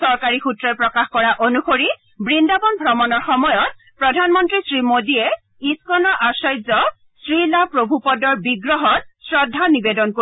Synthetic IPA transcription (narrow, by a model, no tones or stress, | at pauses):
sɔɹkaɹixutɹɔpɹɔkaxkɔɹaʔonuxoɹi | bɹindabɔnbʱɹɔmɔnɔɹxɔmɔjɔt̚ | pɹɔdʱanmɔntɹisɹimodiɛ | iskɔnɔʔasɔjzɔ | sɹilapɹobʱupɔdɔɹbiɡɹɔɦɔt̚sɹɔdʱːanibedɔnko